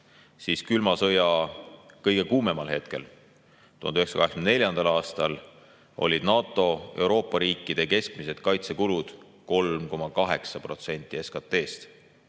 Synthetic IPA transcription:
siːskylmɑsɤjɑ | kɤjɡ̥e̞kuːme̞mɑlhe̞t̪ke̞̰l | t̪uhɑnyeksɑ̥kɑɦeskmnne̞lʲjɑnd̪̥ɑlɑːst̪ɑl | o̞̰lʲid̪̥nɑːt̪ˑːo̞e̞wɾo̞ːpːˑɑɾiːkːˑid̪̥e̞ke̞skmise̞d̪̥kɑjt̪sekulud̪̥ | ko̞lmko̞mɑkɑɦe̞ksɑpro̞t̪se̞nʲt̪ːˑie̞skɑt̪ːˑe̞ːst̪

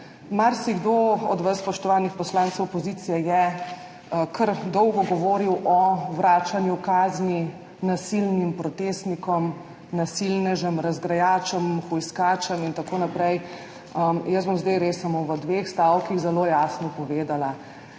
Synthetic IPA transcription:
maɾsiɡd̪oɔ̰d̪ʋəsspɔʃt̪ɔʋaːnixpɔslaːntsəwpɔziːt̪sijɛjɛ | kʰəɾd̪ɔwɡɔɡɔʋoːɾiwʔɔʋɾaːt͡ʃanjukaːzni | nasilnimpɾɔt̪eːst̪nikɔm | nasilnɛʒəmɾazɡɾajaːt͡ʃəmxɔjskaːt͡ʃəmint̪akoːnapɾɛj | əmjəsbɔmzd̪ajɾeːsːamoʋəd̪ʋexst̪awkixzɛloːjaːsnɔpɔʋeːd̪ala

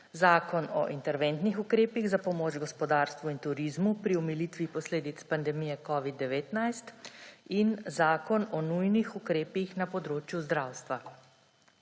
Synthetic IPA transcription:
zaːkɔnɔ̰ʔint̪ɛɾʋeːnt̪nixukɾeːpiɣzapɔmoːd͡ʒɡɔspɔd̪aːɾst̪ʋuint̪uɾizmupɾiɔmiliːt̪ʋipɔsleːd̪it̪spand̪ɛmijɛkɔːʋid̪ːɛʋeːt̪najst̪inzaːkɔnɔnujnixukɾeːpixnapɔd̪ɾoːt͡ʃjuzd̪ɾawst̪ʋa

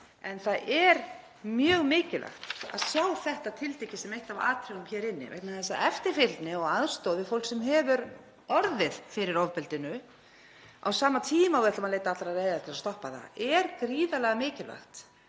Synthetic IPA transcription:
ɛnθaðɛɾ | mjœːɣmɪːcɪlʔa̰xt̪a̰ðsaːwθɛht̪at̪ʰɪlt̪ecːɪsɛmejht̪ava̰ːt̪ʰɾɛɣʏmçɛːɾɪnːɪ̰vɛ̰k̪naθɛs̬aɛft̪ɪɾ̥fɪlt̪nɪɔɣaðɾ̥st̪ɔːwðɪfowlksɛmɦɛːvʏɾ | ɔɾðɪðfɪɾɪɾɔvpɛlt̪ɪnʏ | a̰wsaːmat̪ʰiːmawvɛht̪amaðleːjt̪aat̪laɾaðreːjðat̪ʰɪlast̪ɔhpaθa̰ɛɾkɾiːðalɛːɣamɪːcɪla̰xt̪

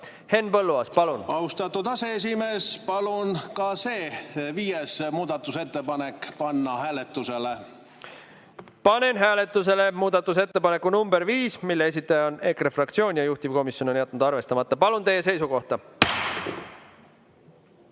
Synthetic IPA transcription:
he̞nːpɤlːuɑspɑlunɑwst̪ɑt̪ːud̪ɑse̞esimeːspɑlunkɑseːviːjesmuːd̪ɑt̪ːˑuse̞t̪ːepɑnekːpɑnːɑhæːlet̪ːˑusele | pɑne̞nɦæːle̞t̪ːˑuse̞le̞muːd̪̥ɑt̪ːˑus̬e̞t̪ːe̞pɑne̞kːunumb̥e̞ɾviːsmilːee̞s̬ʲit̪ːˑɑjɑone̞krefrɑkt̪sio̞ːnʲjɑjuht̪ivko̞misjo̞no̞njɑt̪̚ːˑnud̪ɑrve̞st̪ɑmɑt̪ːˑɑpɑlunt̪e̞jːe̞se̞jsuko̞ht̪ɑ

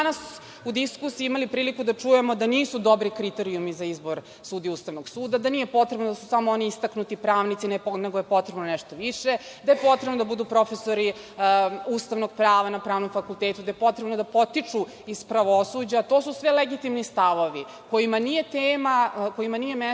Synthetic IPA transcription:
anas | ud̪iskusiimalipɾiːlikud̪at͡ʂuje̞mo̞d̪aniːsud̪o̞bɾikɾit̪eɾiumizaizbo̞ɾ | suːd̪ijeust̪aʋnoɡsuːd̪ad̪anijepo̞t̪ɾebnod̪asusamooniist̪aknut̪ipɾaːʋnit̪sineponeɡojepo̞t̪ɾe̞bnonɛʃt̪oʋiʂed̪ajepo̞t̪ɾebnod̪abud̪upɾo̞fesoɾi | ust̪aʋno̞ɡ̚pɾaːʋanapɾaːʋno̞mfakult̪eːt̪ud̪ajepo̞t̪ɾebno̞d̪apo̞t̪it͡ʂu | iz̥pɾaʋosuːd͡ʑaːt̪oːsusʋeleɡit̪imnist̪aʋo̞ʋi | ko̞jimanije̞t̪eːmako̞imanijeme

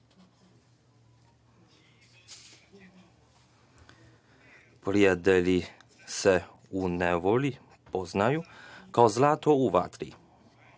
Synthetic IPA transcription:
pɾiat̪ɛli | sɛ | unɛʋɔli | pɔznajukaozlaːt̪ɔuʋa̰t̪ɾḭ

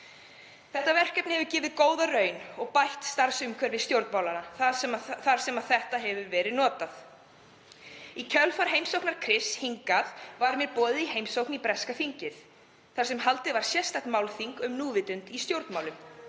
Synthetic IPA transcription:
θɛht̪avɛr̥kɛp̚nɪhɛvʏɾcɪːvɪðkoːwðarœɥnɔɣpajht̪st̪aɾ̥sʏmkʰvɛɾvɪst̪jowɾt̪mawlana | θaɾ̥sɛmaðθɛht̪aɦɛvʏɾvɛːɾɪðnɔːt̪aθ | icʰœlfaɾ̥ɦejmsowknaɾ̥kʰɾɪshiŋkaðvaɾmjɛɾpɔːðɪiɦejmsowknipɾɛskafiɲcɪθ | θaɾ̥sɛmhalt̪ɪvaɾ̥sjɛst̪ajht̪mawlθiŋkʏmnuːvɪt̪ʏnt̪ist̪jowɾt̪maːwlʏm

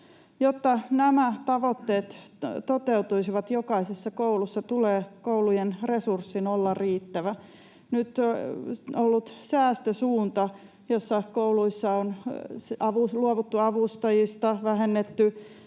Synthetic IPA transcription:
jot̪ːɑnæmæt̪ɑʋot̪ːeːt̪t̪ot̪eut̪uisiʋɑt̪jokɑisesːɑkoulusːɑt̪uleːkoulujenresursːinolːɑriːt̪ːæʋæ | nyt̪ | olːut̪sæːst̪øsuːnt̪ɑ | josːɑkouluisːɑon | ɑʋuluoʋut̪ːuɑʋust̪ɑjist̪ɑʋæhenːet̪ːy

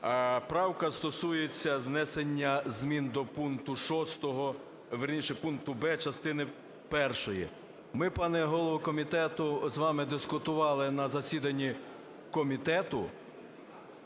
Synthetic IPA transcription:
pɾɑwkɐst̪ɔsujet͡sʲːɐwnɛsenʲːɐzmʲind̪ɔpunkt̪ʊʃɔst̪ɔɦɔ | ʋeɾnʲiʃɛpunk̚t̪ʊbɛt͡ʃɐst̪ɪnɪ | pɛrʃɔjḭ | mɪpɑnɛɦɔlˠɔʋɔkɔmʲit̪ɛt̪ʊzʋɑmɪd̪ɪskʊt̪ʊʋɑlˠɪnɐzɐsʲid̪ɐnʲːi | kɔmʲit̪ɛt̪ʊ

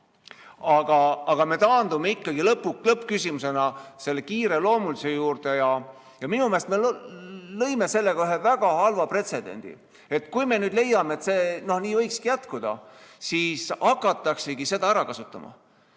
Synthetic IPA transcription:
ɑɡ̥ɑɑɡ̥ɑme̞t̪ɑːnd̪umeikːɑɡ̥ilɤpːˑulɤpːkysʲimuse̞nɑse̞lːe̞kiːɾe̞lo̞ːmulise̞juːrd̪̥e̞jɑ | jɑminumeɑst̪mellɤjme̞se̞lːeɡɑyɦe̞væɡ̥ɑhɑlvɑpre̞t̪se̞d̪ḛnʲd̪̥ḭ | e̞t̪kujme̞nyːd̪le̞jːɑmeet̪se̞ːno̞hniːvɤjkskijæt̪kud̪̥ɑ̰siːsɑkːˑɑt̪ːˑɑkse̞ɡise̞d̪ɑæɾɑkɑsut̪ːˑɑ̰mɑ̰

